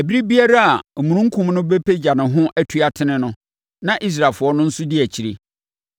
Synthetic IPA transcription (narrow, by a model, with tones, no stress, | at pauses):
æ˨bi˦ɾi˦bi˦a˦ɾa˦a˨mũ˨ɾũ˦ŋ̩˦kʰʊ̃˨mnʊ̃˦be˦pʰe˦d͡ʑa˨nɪ̃˨ɦʊ̃˦ʔæ˦tʰu˦a˨tʰɪ˦nɪ̃˦nʊ̃˦ | nã˨ʔi˦s̬ɾa˨lfʊ˨˦ɔ˦nʊ̃˦n̩˦sʊ˦dɪ˦æ˨t͡ɕʰi˨ɾe˨